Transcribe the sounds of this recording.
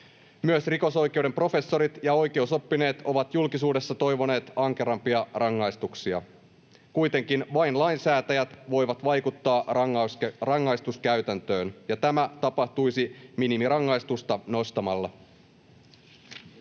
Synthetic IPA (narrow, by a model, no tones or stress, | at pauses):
myøsriko̞so̞jk̟e̞wde̞mpro̞fe̞sːo̞ɾit̪jɑo̞jk̟e̞uso̞pːine̞ːt̪o̞ʋɑt̪julkisuːde̞sːɑt̪o̞jʋo̞ne̞ːt̪ɑŋk̟e̞ɾɑmpiɑrɑŋːɑjst̪uksiɑ̰ | kujt̪e̞ŋkinʋɑjnlɑinsæːt̪æjæt̪ʋo̞jʋɑt̪ʋɑjkut̪ːɑːsrɑŋːɑjst̪uskæyɥt̪ænt̪øːnjɑt̪æmæt̪ɑpɑht̪ujsiminimirɑŋːɑjst̪ust̪ɑno̞st̪ɑmɑlːɑ